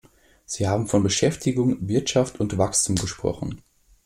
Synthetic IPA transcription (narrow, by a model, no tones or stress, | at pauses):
z̥iːhaːbm̩fɔnbəʃɛftʰɪɡʊŋvɪɐtʃaftʰʊntv̥akstʰuːmɡəʃpʁ̥ɔ̰χn̩